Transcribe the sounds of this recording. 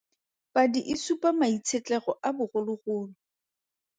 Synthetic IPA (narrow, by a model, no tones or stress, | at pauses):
padiʔɪsupʼamait͡sʰet͡ɬɛɣɔʔabʊχʊlʊɣʊːlʊ